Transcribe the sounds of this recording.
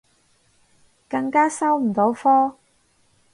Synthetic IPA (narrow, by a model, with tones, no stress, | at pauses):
kɐ˧ŋkaː˥sɐ˥wm̩˨˩t̪o˨˥wfɔː˥